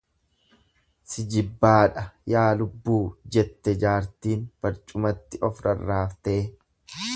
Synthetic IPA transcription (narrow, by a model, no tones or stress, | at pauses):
sɪd͡ʒɪbːaːᶑɐjaːlʊbːuːd͡ʒɛt̪ːɛd͡ʒaːɾt̪iːnb̥ɐɾt͡ʃʼʊmɐt̪ːɪʔɔfɾɐrːaːft̪eː